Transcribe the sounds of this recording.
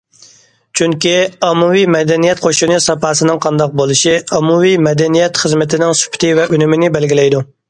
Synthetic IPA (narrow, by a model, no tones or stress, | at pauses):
t͡ʃʰyŋkʲiɑmːuwijmɛd̪ɛnijɛt̪̚qʰoʃinɨsɑpɑːsɨnɨŋqʰɑnd̪ɑq̚bolˠɨʃiɑmːuwimɛd̪ɛnijɛt̪χəzmɪt̪ʰɪnɪŋsy̥pʰɪ̥t̪ʰɪvɛʔynɪmɪnɪbɛlɡʲilɛjd̪u